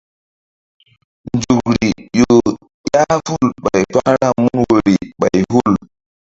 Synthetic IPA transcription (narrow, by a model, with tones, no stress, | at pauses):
nd͡ʒu˨k̚ɾi˨jo˨ | ja˦fu˦lɓa˨jpa˦ɾa˦mu˦nwo˨ɾi˨ɓa˨jɦu˦˨l